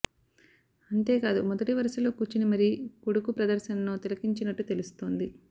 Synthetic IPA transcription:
ɐɳʈe̞ːkaːd̪umɔd̪ɐʈiʋɐɾɐsɐlo̞ːkuːt͡ʃːinimɐɾikuɽukupɾɐd̪ɐɾʃɐnɐnoːt̪ilɐkiɲt͡ʃinɐʈːut̪e̞lust̪o̞ːnd̪i

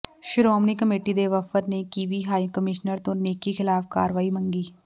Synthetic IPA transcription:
ʃɪɾɔːmnikəmeːʈid̪eʋɐfət̪nekiːʋiɦaːjkəmɪʃnəɾt̪õneːkːixɪlaːfka̰ːɾʋaːimɐ̃ŋɡiː

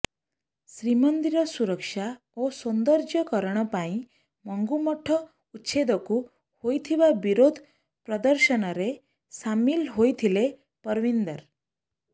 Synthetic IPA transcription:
sɾimənd̪iɾɔsuɾəkʃa | osund̪əɾd͡ʒjəkɔɾəɽ̃ɔpaĩ | mɔŋɡumɔʈʰɔ | utːʃʰed̪ɔku | hojt̪ʰiʋabiɾod̪ʱ | pɾʌd̪əɾʃənɔɾe | samilɦojt̪ʰile | pʌɾʋind̪əɾ

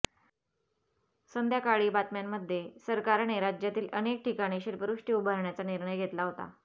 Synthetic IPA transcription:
sənd̪ʱjakaɭiːbat̪mjamːəd̪ʱːjesəɾkaɾaɳeɾad͡ʑjat̪iːlʔənek̚ʈikaɽ̃iɕiːlpəɾuʂʈiubʱəɾɳjat͡saniɾɳəjɡʱet̪laɦot̪a̰

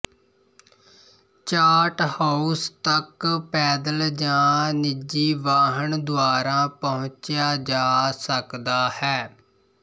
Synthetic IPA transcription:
t͡ʃaːʈhaːust̪əkpɛːd̪əld͡ʒãːnɪd͡ʒiːʋaːɦəɳd̪ʊaːɾãːpəɦʊ̃t͡ʃjaːd͡ʒaːsəkd̪aːhɛː

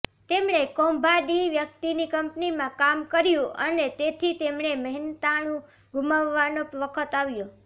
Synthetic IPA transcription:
t̪emɳ̃ekɔmbʱaɖiʋjək̚t̪inikəmpnimãkamkəɾjũʔənet̪et̪ʰit̪emɳ̃eməɦnt̪aɽ̃ũ | ɡuməʋːanoʋəkʰət̪aʋjo

